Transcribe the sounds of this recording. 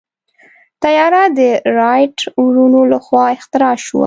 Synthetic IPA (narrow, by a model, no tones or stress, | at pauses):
t̪ajɑɾad̪əɾɑjʈuɾunolaxwɑɪxt̪ɪɾɑʃwa̰